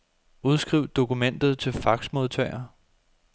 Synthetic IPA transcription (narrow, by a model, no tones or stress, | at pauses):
uð̞ˠsɡ̥ʁiʊ̰d̥o̝kumen̰d̥ð̞̩ˠt͡sʰe̝lfɑ̈ɡ̥smo̝ðˠt͡sʰɛɪɐ